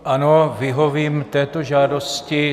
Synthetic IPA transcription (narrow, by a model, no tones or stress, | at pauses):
ʔano̞vɪɦo̞viːmt̪ɛːt̪oʒaːdo̞scɪ